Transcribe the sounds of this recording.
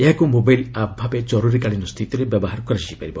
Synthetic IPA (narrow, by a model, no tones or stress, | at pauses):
eɦakumobajlabbʱabed͡ʒɔɾuɾikaɭinɔst̪ʰit̪iɾebjɔbɔɦaɾɔkɔɾad͡ʒiipaɾibɔ